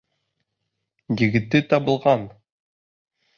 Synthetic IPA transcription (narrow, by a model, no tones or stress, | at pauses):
jɘ̆ɡɘ̆t̪ːɘt̪ɑbɤ̆lˠʁɑn